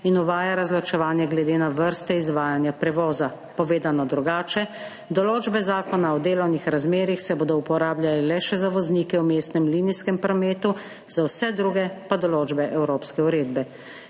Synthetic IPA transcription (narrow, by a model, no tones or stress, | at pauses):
inɔʋaːjaɾazlat͡ʃɛʋaːnjɛɡlɛd̪eːnaʋəɾst̪ɛizʋaːjanjapɾɛʋɔːza | pɔʋeːd̪anɔd̪ɾuɡaːt͡ʃɛ | d̪ɔloːd͡ʒbɛzaːkɔnaɔd̪eːlɔwnixɾazmeːɾixsɛboːd̪ɔupɔɾaːbljalɛlɛʃɛzaʋɔzniːkɛwmeːst̪nɛmliːniskɛmpɾɔmeːt̪u | zawsɛd̪ɾuːɡɛpad̪ɔloːd͡ʒbɛʔɛwɾoːpskɛuɾeːd̪bɛ